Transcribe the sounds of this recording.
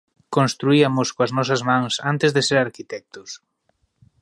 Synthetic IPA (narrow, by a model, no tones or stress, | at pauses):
kõnst̪ɾuiɐmʊskoɐznɔsɐzmãŋsant̪ɪzðɪseɾaɾkit̪ɛk̚t̪ʊs